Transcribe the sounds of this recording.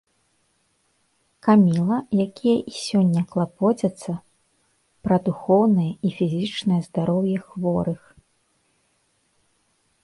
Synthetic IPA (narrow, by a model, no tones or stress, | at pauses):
kamʲilˠɐjakʲijɐʔisʲɔnʲːɐklˠapɔt͡sʲɐt̪sːɐ | pɾɐd̪uxɔwnɨjɐʔifʲizʲit͡ʂnɨjɐzd̪aɾɔwjɛxvɔɾɨx